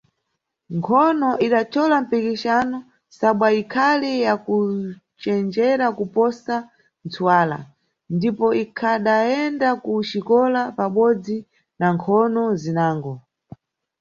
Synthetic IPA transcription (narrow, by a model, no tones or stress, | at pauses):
ŋkʰɔnɔʔiɗat͡ʃʰɔlam̩pikit͡ʃanɔ | saɓwaikʰalijakut͡ʃɛnd͡ʒɛɾakupɔsa | nt͡sʰuwaːla̰ | ndipɔʔikʰaɗaɛndakuʃikɔlapaɓɔd͡zi | naŋkʰɔnɔzinaːŋɡɔ